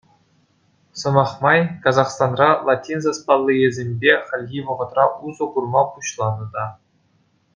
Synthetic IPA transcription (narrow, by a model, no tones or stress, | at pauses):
sɤ̆mɑχmɑjkɑzɑχst̪ɑnrɑlˠatʲinzɑspɑlˠːijezʲemʲbʲeχʲɘ̆lʲɡʲiʋɤ̆ʁɤ̆t̪rɑʔuzɤ̆ɡurmɑpuɕlˠɑnɤ̆d̪ɑ